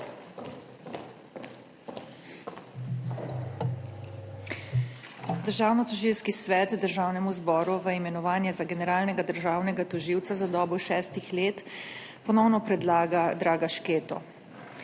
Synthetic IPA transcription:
d̪əɾʒaːwnɔt̪ɔʒiwskisʋɛt̪d̪əɾʒaːwnɛmuzbɔːɾuʋəimɛnɔʋaːnjɛzaɡɛnɛɾaːlnɛɡad̪əɾʒaːwnɛɡat̪ɔʒiːwt̪sazad̪ɔːbɔjʃɛːst̪ixleːt̪ | pɔnɔwnɔpɾɛd̪laːɡad̪ɾaːɡaʃkeːt̪ɔ̰

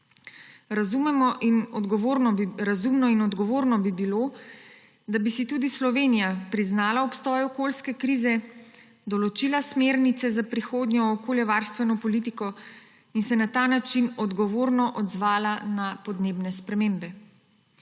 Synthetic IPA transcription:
ɾazumɛmɔʔinɔd̪ɡɔʋoɾnɔɾazumnɔinɔd̪ɡɔʋoːɾnɔbibilo | d̪abisit̪uːd̪islɔʋeːnijapɾiznaːlaɔpst̪ɔːjɔkolskɛkɾiːzɛ | d̪ɔlɔt͡ʃilasmeːɾnit̪sɛzapɾixoːd̪ɲɔːkoːljɛʋaɾst̪ʋɛnɔpɔlit̪ikɔ | insɛnat̪aːnat͡ʃinɔd̪ɡɔʋoːɾnɔʔɔd̪zʋaːlanapɔd̪neːbnɛspɾɛmeːmbɛ

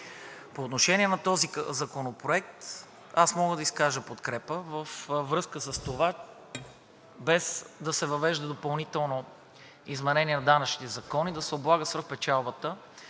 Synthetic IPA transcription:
poːt̪noʃɛniɛnɐt̪ɔzizɐkonopɾoɛk̚t̪ | asmɔɡəd̪ɐiskaʒəpot̪kɾɛpəvəfvɾɤskəsəst̪ova | bɛzd̪ɐsɛvɐvɛʒd̪ɐd̪opɐlˠnit̪ɛlˠno | izmɛnɛniɛnɐd̪anɐt͡ʃnit̪ɛzɐkɔnid̪ɐsɛoblˠaɡəsvəxpɛt͡ʃalˠbət̪ə

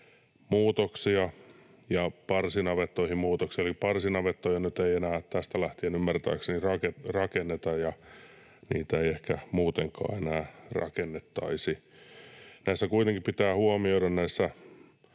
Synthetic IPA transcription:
muːt̪oksiɑ | jɑpɑrsinɑʋet̪ːoihimmuːt̪oksiɑelipɑrsinɑʋet̪ːojɑnyt̪eienæːt̪æst̪ælæht̪ienymːært̪æ̰ːksenirɑkerɑkenːet̪ɑjjɑ | nḭːt̪æeiehkæmuːt̪eŋkɑ̰ːenæːrɑ̰kenːet̪ːɑ̰isi | næisːækuit̪eŋkippit̪æːhuomioiɾɑnnæisːæ

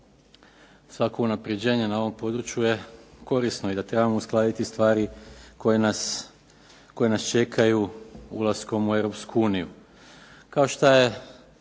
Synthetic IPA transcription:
sʋako̞unapɾed͡ʑe̞ːɲe̞nao̞ʋo̞mpo̞d̪ɾut͡ʃjuje̞ko̞ɾisnoid̪at̪ɾe̞bamo̞usklˠaːd̪it̪ist̪ʋaːɾiko̞jenas | ko̞jenast͡ʃe̞kʰajuṵlasko̞mueʋɾo̞pskuuːniju | kao̞ʃt̪aje̞

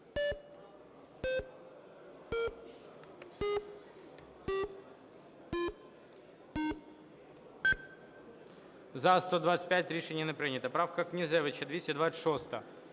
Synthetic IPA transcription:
zɐst̪od̪vat̪sɨ̥t̚ʲpʲæt̚ʲɾʲɪʂɛnʲɪənəpɾɨnʲɪt̪ɐpɾafkɐknʲɪzɛʋɨt͡ɕɛd̪vʲesʲtʲɪd̪vat̪ʂost̪ɐ

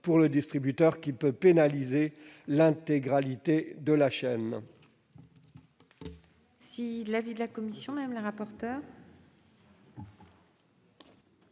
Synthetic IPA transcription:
puʁləd̪ist̪χibyt̪œʁkʲipøpenalizelɛ̃t̪eɡʁalit̪ed̪əlaʃɛn | silavid̪əlakɔmisjɔ̃mmləʁapɔʁt̪œːʁ

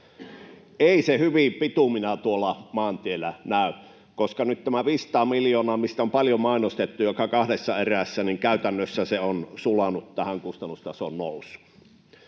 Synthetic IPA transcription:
ʔeˑisehyʋipit̪uminæt̪uolˑɑmɑːnt̪ielːˑænæˑy | koskɑnyt̪t̪æmæʋiːst̪ɑːmiljoːnɑːmist̪æompɑljomɑˑinost̪et̪ːujokɑkɑhdesːɑeræsːæniŋkæˑyt̪ænːøsːæseonsulɑnut̪t̪æhæŋkust̪ɑnːust̪ɑso̰nnoˑusːu̥

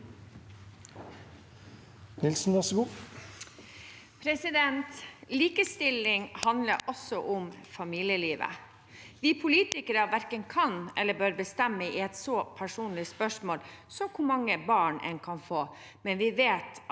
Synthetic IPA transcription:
nɪlsn̩ʋæʂɔɡuː | pʰɾɛsɪd̪ɛnt̪liːkəst̪ɪlːɪŋhɑnd̪ləɾʔɔsːɔʔʊmfɑmiːlɪjəliːʋə̰ | ʋiːpʰʊliːt̪ɪkəɾəʋæɾkənkʰɑnɛlːəbøːɾbəst̪ɛmːəḭɛt̪sɔpʰæʂuːnlɪspœʂmoːlsɔkʰʊmɑŋːəbɑːɳʔɛ̰nkʰɑnfoː | mɛnʋɪʋeːt̪

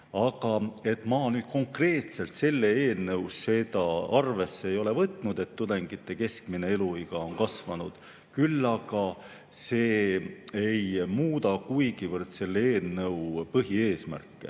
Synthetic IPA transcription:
ɑɡ̥ɑe̞t̪ːmɑːnyːd̪̥̚ko̞ŋkre̞ːt̪se̞lt̪se̞lːeeːlnɤwsːe̞d̪ɑɑrve̞sːeejo̞le̞vɤt̪ːˑnud̪e̞t̪ːud̪̥e̞ŋɡ̥it̪ːe̞ke̞skmine̞eluiɡ̥ɑo̞nkɑsvɑnud̪̥ | kylːɑɡ̥ɑ | seːejmuːd̪ɑkujɡ̥ivɤrd̪se̞lːeeːlnɤwpɤɦie̞ːsmæ̰rkˑːḛ

